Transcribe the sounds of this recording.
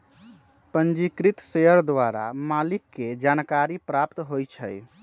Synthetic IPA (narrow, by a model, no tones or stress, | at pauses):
pənd͡ʒikɾit̪seəɾd̪ʋaɾa̰malikːed͡ʒankaɾipɾapt̪ɦojt͡ʃʰə̰j